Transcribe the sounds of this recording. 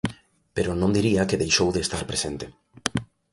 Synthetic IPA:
peɾonõnd̪iɾiakeðejʃowðeːst̪aɾpɾesẽnt̪e̥

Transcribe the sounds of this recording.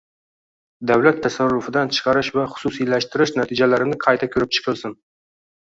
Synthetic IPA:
d̪awlat̪ʰːasarːʊfɪd̪ant͡ʃʰɨ̥qɑɾɪʃvaχʊ̥sʊsilaʃt̪ɪɾɪʃnat̪ʰid͡ʒalaɾɪnɪqʰɑjt̪ʰakʲʰɵɾɪp̚t͡ʃʰɨ̥qʰɨlˠsɪn

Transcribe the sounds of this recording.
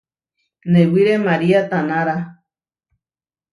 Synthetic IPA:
nẽwiɾemaɾiat̪anaɾa

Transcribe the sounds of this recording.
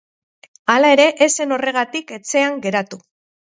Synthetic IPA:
alae̞ɾe̞ʔese̞no̞re̞ɣ̞at̪ike̞t͡se̞aŋɡe̞ɾat̪u

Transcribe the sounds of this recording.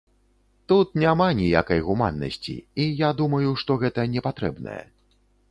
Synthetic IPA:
t̪ut̪̚nʲamanʲija̰kɐjɣuma̰nːɐ̰sʲt͡sʲḭijad̪umɐjuʂt̪ɔɣɛt̪ɐnʲɛpat̪ɾɛ̰bnɐ̰jɛ̰

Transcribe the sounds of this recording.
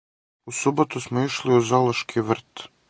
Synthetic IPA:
usubot̪usmoiʃliuzalˠoʃkʰiʋr̩t̪

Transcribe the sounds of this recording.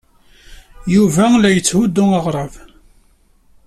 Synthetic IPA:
juvælæjət͡sːhud̪ːʊəʁɾˤɑv

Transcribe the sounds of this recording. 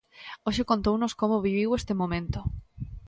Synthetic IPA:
oʃekõnt̪ownoskomoβiβiwest̪emõmẽnt̪o

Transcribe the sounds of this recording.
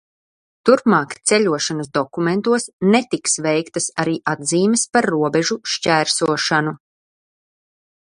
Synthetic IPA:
t̪uɾpmaːkt̪sɛʎʲuɔʃanasd̪ɔkument̪uɔsnet̪iksvɛjkt̪asaɾiːʔad̪ziːmespaɾːuɔbeʒuʃcæːɾsuɔʃanu

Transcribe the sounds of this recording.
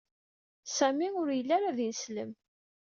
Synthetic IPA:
sæmiʊɾjəlːaɾaðinəslə̰m

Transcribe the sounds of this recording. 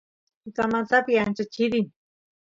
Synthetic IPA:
ikamat̪apiant͡ʃat͡ʃiɾi

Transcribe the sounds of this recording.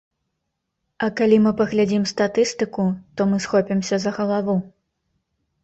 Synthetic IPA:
ɐkalʲimɨpɐɣlʲad͡zʲimst̪at̪ɨst̪ɨkut̪ɔmɨsxɔpʲɛmsʲɐzɐɣɐlˠavu

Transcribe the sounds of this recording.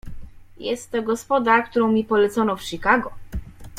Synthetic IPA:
jɛst̪ːɔɡɔspɔd̪akt̪uɾɔ̃w̃mʲipɔlɛt̪sɔnɔfʂikaɡɔ

